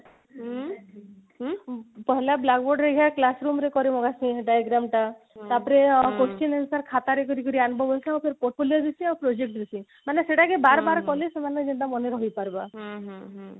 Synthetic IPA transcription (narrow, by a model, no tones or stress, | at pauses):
pɔɦɛlablaɡboɾɖɾeɡʱaklasɾumɾekɔɾemɔɡasĩɖajaɡɾamʈa | t̪apɔɾekosʈinensaɾkʰat̪aɾek̬ɔɾikɔɾianbʱɔbɔjsiupʰeɾpoɾʈfʰoliod̪esĩapɾod͡ʒek̚ʈd̪isĩ | maneseʈakebaɾbaɾkɔlesemaned͡ʒind̪amɔneɾɔɦijpaɾba